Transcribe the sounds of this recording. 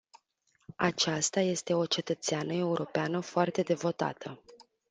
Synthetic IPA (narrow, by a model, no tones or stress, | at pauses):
a̰t͡ʃast̪aje̞st̪e̞o̞t͡ʃe̞t̪ət̪seanəe̞uɾʔo̞peanəfoart̪e̞d̪e̞vo̞t̪a̰t̪ʰə